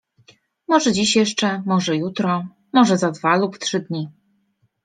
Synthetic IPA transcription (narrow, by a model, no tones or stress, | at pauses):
mɔʐɛd͡ʑiɕjɛʂt͡ʂɛmɔʐɛjut̪ɾɔ | mɔʐɛzad̪valuptʂɘd̪ɲi